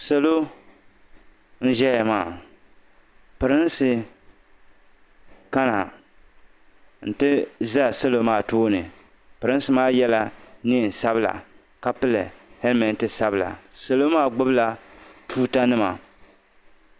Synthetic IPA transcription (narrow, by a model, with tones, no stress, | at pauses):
sa˨lo˦ | n̩˦ʒɛ˦ja˨maː˦˨ | pɨ˨ɾɨ˦n˦sɨ˨ | ka˦na˨ | n̩˨tɨ˦za˦˨sa˦lo˦maː˦˨toː˦nɨ˨ | pɨ˨ɾɨ˦n˦sɨ˦maː˦jɛ˦la˦ni˦˨n˨sa˦bɨ˦la̰˨ | ka˦pɨ˦lɨ˨hɛ˦lmɛ˨n˦tɨ˦sa˦bɨ˨la̰˨sa˨lo˦maː˦˨ɡ͡bʊ˦bla˨tuː˦ta˦nɨ˦ma˨